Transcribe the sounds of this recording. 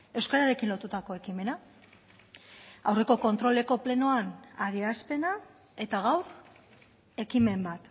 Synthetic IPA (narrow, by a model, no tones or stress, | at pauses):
e̞wskaɾaɾe̞kinlo̞t̪ut̪ako̞e̞kime̞na | awre̞ko̞ko̞nt̪ɾo̞le̞ko̞ple̞no̞anaðiaspe̞na | e̞t̪aɣawɾ | e̞kime̞mbat̪